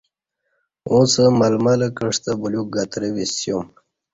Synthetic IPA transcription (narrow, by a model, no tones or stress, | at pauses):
õt͡səmalmaləkəʂt̪əbuljuk̚ɡat̪ɾəwisjom